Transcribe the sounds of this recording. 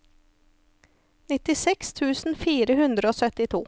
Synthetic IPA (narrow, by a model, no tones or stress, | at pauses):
nɪt̪ɪsɛkst̪ʰʉːsn̩fiːɾəɦʉnd̪ɾəoːsœt̪ɪt̪ʰṵː